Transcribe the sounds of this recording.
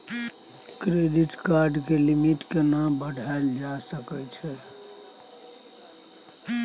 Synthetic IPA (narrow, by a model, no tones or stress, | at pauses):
kɾeɖiʈkaɾɖkelimiʈkenambəɽʱaeld͡ʒasəkɛt͡ʃʰɛ